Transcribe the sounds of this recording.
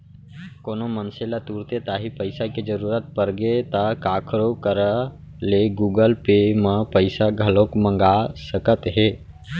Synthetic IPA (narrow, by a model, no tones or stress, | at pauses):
koːnomənselat̪uːɾt̪et̪aːɦipəɪsaked͡ʒəɾuːɾət̪̚pəɾɡet̪akaːkʰɾokəɾə | leɡuːɡəlpeməpəɪsaɡʱəlokmə̃ŋɡasəkət̪ɦeː